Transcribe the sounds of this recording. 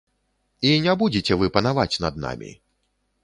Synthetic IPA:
inʲabud͡zʲet͡sʲɛvɨpɐnavat͡sʲnɐ̰d̪̚na̰mʲḭ

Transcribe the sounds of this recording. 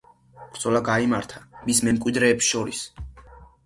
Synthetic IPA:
b̥ɾd̪z̥ɔlaɡaimaɾt̪ʰamismɛmkʼwid̪ɾɛːpsʃɔɾḭs

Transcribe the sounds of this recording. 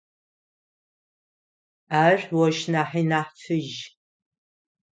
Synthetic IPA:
aːrʷwɔʃnaːħiːnaːħtʰɨʒ

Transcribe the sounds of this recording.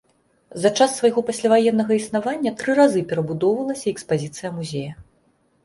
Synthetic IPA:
zɐt͡ʂasːvɐjɣɔpasʲlʲavajɛnːɐɣɐisnavanʲːɐt̪ɾɨɾazɨpʲɛɾɐbud̪ɔwvɐlˠɐsʲɐɛkspazʲit̪sɨjɐmuzʲejɐ

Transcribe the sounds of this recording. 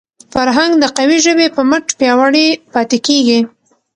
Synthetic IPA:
faɾɦaŋɡd̪əqawiʒəbepəməʈpjɑwaɽipɑt̪ekeɡi

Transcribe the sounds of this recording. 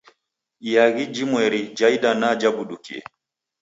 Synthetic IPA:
ijaɣid͡ʒimwɛɾid͡ʒaiɗanad͡ʒabuɗukḭɛ̰

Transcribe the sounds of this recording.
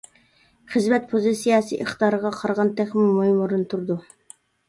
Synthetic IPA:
χəzmɛt̪̚pʰozisijɑsḭʔəχt̪ɑːɾəʁɑqʰɑɾʁɑnt̪ʰɛχmumuhimuɾunt̪ʰuɾd̪u

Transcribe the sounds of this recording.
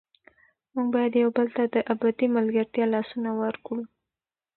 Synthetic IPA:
muɡbɑjad̪jawbəlt̪ad̪əʔabat̪imalɡaɾt̪jɑlɑsunawəɾkɽu

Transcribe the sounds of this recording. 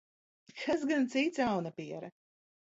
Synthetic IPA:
kʰasɡant̪sit̪sawnapiɛɾɐ

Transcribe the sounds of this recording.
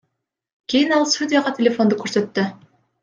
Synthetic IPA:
kʲijinɑlˠst̪udʲɪjaʁɑt̪ʲʰelʲefo̞nd̪ukʰøɾsø̞t̪ːy

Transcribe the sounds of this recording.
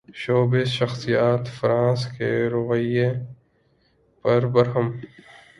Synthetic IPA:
ʃoːbezʃɐxsijaːt̪fɾãːskeɾʊʋəje | pɐɾbɐɾɦəm

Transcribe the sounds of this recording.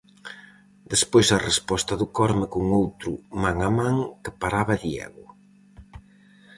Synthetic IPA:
d̪espojsɐrespɔst̪ɐðʊkɔɾmɪkuŋowt̪ɾʊmaŋamãŋkɪpaɾaβɐðiɛ̰ɣʊ

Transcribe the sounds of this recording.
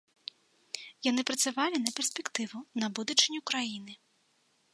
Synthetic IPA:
janɨpɾɐt̪sʲavalʲinɐpʲɛrsʲpʲɛkt̪ɨvunɐbud̪ɐt͡ʂɨnʲikɾajinɨ

